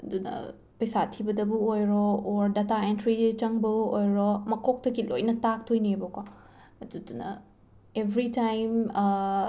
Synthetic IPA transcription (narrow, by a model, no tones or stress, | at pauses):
ɐdunɐ̰ | pɐjsatʰibɐdɐbuojɾɔːɾdɐtaentɾit͡ʃɐŋbɐojɾɔmɐkʰok̚tɐɡilo̰jnɐtak̚tʰojnieboko | ɐdudunɐ̰ | ebʱɾitajm